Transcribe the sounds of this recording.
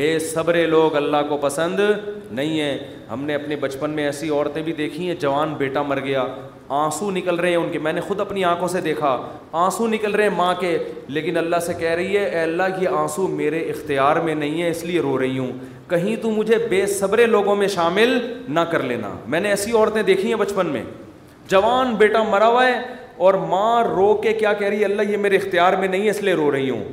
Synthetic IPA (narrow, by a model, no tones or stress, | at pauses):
beːsɐbɾeloːɡɐlːaɦkopɐsə̃nd̪nɐɦĩɦɛ̃ː | ɦɐ̰mneɐpnebɐt͡ʃpənmẽɛːsiɔːɾt̪ẽbʱid̪eːkʰĩɦɛ̃d͡ʒɐʋaːnbeːʈamɐɾɡɐjaː | ãːsunɪkəlɾɐɦeɛ̃ʊnkemɛ̃ːnexʊd̪ɐpniãːkʰõsed̪eːkʰa | ãːsunɪkəlɾɐɦeɛ̃mãːkeleːkɪnɐlːaɦsekɛɦɾɐɦiɦɛɛːɐlːaɦkieãːsumeːɾeɪxt̪ɪjaːɾmẽnɐɦĩɦɛɪslieɾoːɾɐɦiɦũː | kɐɦĩt̪ũmʊd͡ʒʱebeːsɐbɾeloːɡõmẽʃaːmɪlnɐkɐɾlḛːna̰ːmɛ̃ːneɛːsiɔːɾt̪ẽd̪eːkʰĩɦɛ̃bɐt͡ʃpənmḛ̃ː | d͡ʒɐʋaːnbeːʈamɐɾaːʋaɛ | ɔːɾmãːɾoːkːekjaːkɛɦɾɐɦiɦɛɐlːajemeːɾeɪxt̪ɪjaːɾmẽnɐɦĩɦɛɪslieɾoːɾɐɦiɦṵ̃ː